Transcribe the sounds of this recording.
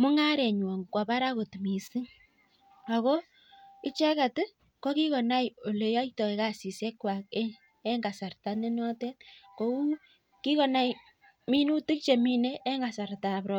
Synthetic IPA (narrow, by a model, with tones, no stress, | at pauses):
mʊ˦ŋa˦ɾɛ˨ɲwɔ˨ŋkwa˨pa˦ɾa˦ko˨tmi˨si˦ŋ | a˨kɔ˦ | ɪ˦t͡ʃɛ˦ka˨tɨ˦ | kɔ˦ki˦kɔ˨na˦jo˨le˨ja˦itɔ˨e˨ka˨si˨sɛ˦kwa˨k̚e˦ | ɛ˦ŋɡa˨sa˨rta˦ne˦nɔ˦tɛ˦t̚ko˦ku˦ | ki˦kɔ˨na˦j | mi˦nu˦tɨ˦k̚t͡ʃe˨mi˦ne˦ʔːŋɡa˨sa˨ɾta˨pɾɔ